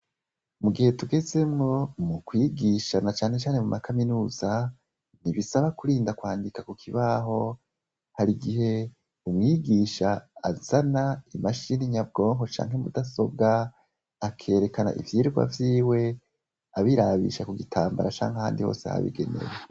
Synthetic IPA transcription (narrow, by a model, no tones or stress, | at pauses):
muɡihe̞tuɡe̞ze̞mŋo̞mukwiːɡiʃanat͡ʃaːne̞t͡ʃaːnemumʔakaminuːza | niβisaβakuɾiːndakwaːndikakukʰiβaɦo̞ | haɾiɡihe̞ | umŋiːɡiʃaa̰z̥anaimaʃiniɲab̚ɡo̞ːŋho̞t͡ʃa̰ːŋɦe̞mṵdaso̞b̚ɡa | akʰe̞ːɾe̞kana̰ʔḭvjiːɾɡwa̰vjiːwe̞ | aβiɾaβḭʃakuɡitʰaːmba̰ɾat͡ʃa̰ːŋaha̰ːndiho̰ːsḛha̰βḭɡe̞̰ne̞̰ɾe